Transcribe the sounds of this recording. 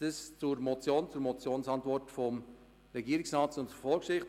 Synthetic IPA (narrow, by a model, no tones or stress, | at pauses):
əst͡sʊɾmɔt͡sjoːnt͡sʊɾmɔt͡sjoːnsɑntvɔrtfɔm | ɾɛɡiːəɾɪksɾɑːtsʊntfɔlkʃɪχt